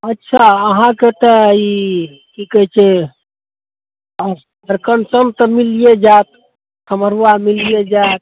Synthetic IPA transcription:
ətːʃʰaəɦãket̪əi | kʰikɛt͡ʃʰe | əɾkənsənt̪əmilijed͡ʒat̪̚ | səməɾuwamilijed͡ʒat̪̚

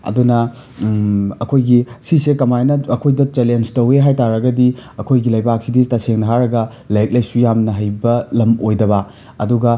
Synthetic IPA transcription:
ɐ̰dunɐ | ɐkʰojɡisisekɐmajnɐɐkʰojdɐt͡ʃelenstɐweɦajtaɾɐɡɐdiɐkʰojɡilɐjbak̚siditɐseŋnɐɦaɾɐɡɐ | lajk̚lɐjsujamnɐɦɐjbɐlɐmojdɐβɐ | ɐ̰duɡɐ

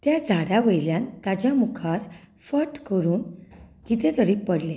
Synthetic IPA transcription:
t̪jad͡zʱaɽjaʋəjljãnt̪ad͡ʑjamukʰaɾ | fəʈkəɾuːn | kit̪et̪əɾipəɽle

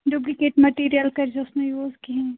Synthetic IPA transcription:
ɖub̬likeːʈmɐʈiːɾijəlkɐɾd͡ʒeʊsnẽjuːzkiɦɛ̃ː

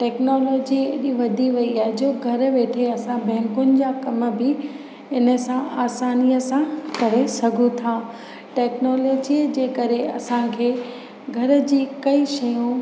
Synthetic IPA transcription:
ʈɛːknoːloːd͡ʑieɗiʋɐd̪ʱiʋɐiaːɦɛd͡ʑoːɡʱɐɾʋeːʈʰeɐsãbɛ̃ːŋkʊnɪ̆d͡ʑaːkɐm̆bɪ | ɪnə̆sãaːsaːnijəsãkɐɾesɐɡʱũt̪ʰaː | ʈɛːknɔːloːd͡ʑid͡ʑeːkɐɾeɐ̰sãkʰeː | ɡʱɐɾə̆d͡ʑiːkɐiʃɐjũ

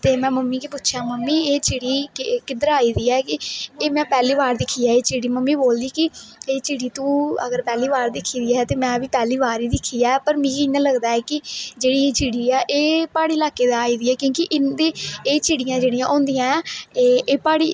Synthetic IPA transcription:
t̪eːmɛ̃ːməmːiːkiːpʊtːʃʰjaːməmːiːeːt͡ʃɪːɽiːkɪd̪əɾaːiːd̪iːɛːkɪeːmɛ̃ːpɛːliːʋaːɾd̪ɪkʰːiːjaːeːt͡ʃiːɽiːməmːiːboːld̪iːkɪeːt͡ʃiːɽiːt̪ũːə̰ɡəɾpɛːliːʋaːɾd̪ɪkʰːiːd̪iːɛːt̪eːmɛ̃ːʋiːpɛːliːʋaːɾiːd̪ɪkʰːiːaːpəɾmĩːiɪnãːləɡd̪aːɛːkɪd͡ʒeːɽiːeːt͡ʃiːɽiːɛːʔeːpaːɽiːlaːkeːd̪aaːiːd̪iːɛːkjõːkɪʔɪnd̪eːeːt͡ʃiːɽijãːd͡ʒeːɽijãːʔõːnd̪ijãːeʔeːpaːɽḭː

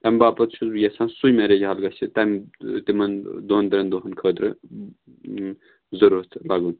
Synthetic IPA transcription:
t̪ɐmʲbaːpɐt̪t͡ʃʰujesãːnsujmeɾed͡ʒɦɐlɡɐt͡ʃʰit̪ɐmt̪imɐnd̪oɦnd̪ɾɐnd̪oɦɐnkʰəːd̪ɾɨ | zɐɾuɐt̪ʰlaɡun

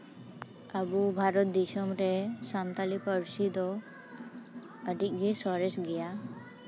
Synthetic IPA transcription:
aɡubʱaɾɔt̪̚d̪isɔmɾɛsant̪alipəɾsid̪ɔ | əʈik̚ɡisɔɾesɡɛja

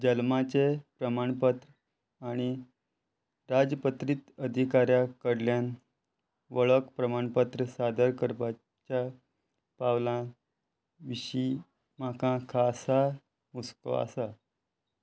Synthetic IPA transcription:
d͡ʑəlmat͡ɕepɾəmaɳpət̪ɾə | aɽ̃i | ɾad͡zəpət̪ɾit̪əd̪ʱikaɾjakəɽljan | ʋəɭəkpɾəmaɳpət̪ɾəsad̪əɾkəɾpa | t͡ɕja | pawlã | ʋiɕi | m̤akãkʰasa | musko̰a̰sa

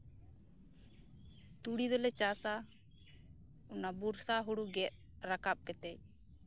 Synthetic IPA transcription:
t̪uɽid̪ɔlɛt͡ʃasa | unabuɾsaɦuɽuɡɛt̪̚ | ɾakap̚kɛt̪ɛj

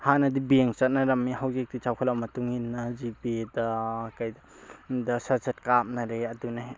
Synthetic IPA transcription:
hanɐdibieŋt͡ʃɐt̚nɐɾɐmːihawzek̚dit͡ʃawkʰalawmɐtuŋinːɐzipidɐkajdɐ | dɐsaɾsɐt̚kap̚nɐɾeɐduna

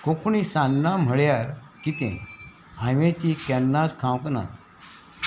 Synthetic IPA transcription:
kokʰunisanːam̤əɭjaɾkit̪ḛ̃ | aʋẽt̪ikɛnːat͡skʰãwkna̰t̪

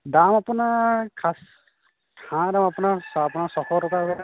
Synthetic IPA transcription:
damapunaɹkʰas | kʰãdamapunaɹapunaɹsɔxɔtɔtaɔ

